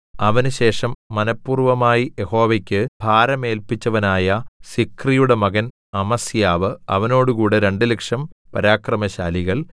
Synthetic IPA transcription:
ɐʋɐnɨɕe̞ːʂɐmːɐnɐpːuːrʋɐmaːjije̞ho̞ːʋekʲːɨb̥ʱaːɾɐme̞ːlpit͡ɕːɐʋɐnaːjɐsikrijuɽe̞mɐɣɐn | ɐmɐsjaːʋɨɐʋɐno̞ːɽukuːɽe̞ɾe̞ɳɖɨlekʂɐmpɐɾaːkrɐmɐɕa̰ːliɣɐɭ

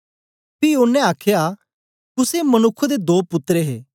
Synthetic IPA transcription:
piːʊnːẽaːkʰja | kʊsemɐnʊkʰːod̪ed̪oːpʊt̪ːɾeɦeː

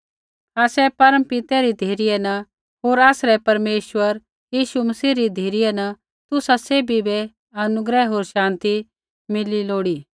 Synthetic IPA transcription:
aːsɛpɐɾə̃mpɪt̪ɛɾid̪ʱeːɾijɛnɐ | ɦoːɾaːsɾɛpɐɾmeːʃʋəɾ | jiːʃumɐsiːɾid̪ʱeːɾijɛnɐ | t̪ʊsaseːbibɛ | ɐnʊɡɾɛɦoːɾʃãːnt̪i | mɪliloːɽiː

